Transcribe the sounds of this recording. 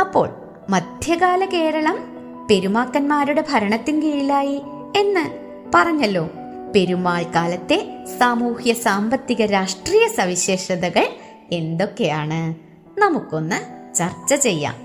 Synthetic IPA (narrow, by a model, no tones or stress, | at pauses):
ɐpːo̞̰ːɭ | mɐd̪ʱjɐɣaːlɐke̞ːɾɐɭɐm | pe̞ɾumaːkːɐnmaːɾuɽe̞bʱɐɾɐɳɐt̪ːinɡiɭilaːji | e̞nːɨ | pɐrɐɲːɐlːo̞ː | pe̞ɾumaːɭkaːlɐt̪ːe̞saːmuːhjɐsaːmbɐt̪ːiɣɐɾaːʂʈriːjɐsɐʋiɕe̞ːʂɐðɐɣɐɭ | e̞nd̪o̞kːe̞jaːɳɨ | nɐmukːo̞nːɨt͡ɕɐrt͡ɕːɐt͡ɕe̞jːa̰ːm